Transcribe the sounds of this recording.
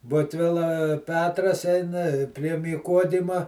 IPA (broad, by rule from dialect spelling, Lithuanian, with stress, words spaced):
ˈbʊtʲʋʲɪlˠɐ ˈpʲæːtrɐs ˈɛɪnɐ ɪ pʲrʲiɛ mʲiːˈkoːdʲɪmɐ